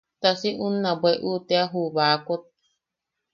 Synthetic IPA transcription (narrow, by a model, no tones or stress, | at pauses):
t̪asiʔunːabʷeʔut̪eaɦuβakot̪̚